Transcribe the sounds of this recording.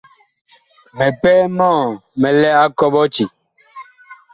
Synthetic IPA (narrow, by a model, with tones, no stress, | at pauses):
mɛ˨pɛː˦mɔ̃ː˦˨mɛ˨lɛ˦a˦kɔ˦ɓɔ˦t͡ʃi˨